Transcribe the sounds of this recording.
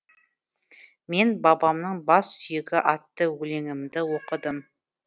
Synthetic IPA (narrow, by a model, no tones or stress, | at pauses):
me̞nbɑbɑmnəɴbɑsːʏjɪɡʲɪʔɑt̪ːəwɵle̞ŋɪmd̪ɪwo̞qəd̪əm